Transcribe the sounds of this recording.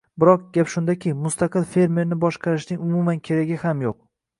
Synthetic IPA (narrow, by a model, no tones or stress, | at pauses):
bɪɾɒq̚ɡʲapʃʊnd̪akʲʰɪmʊst̪ɑqɨlfe̞ɾme̞ɾnɪbɒʃqʰɑɾɪʃnɪŋʊmʊmankʲʰe̞ɾaɡʲɪhamjoq̚